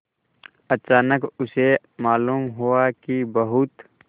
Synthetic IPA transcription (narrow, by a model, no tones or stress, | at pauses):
ət͡ʃaːnəkʊse | maːluːmɦuakibɐɦʊt̪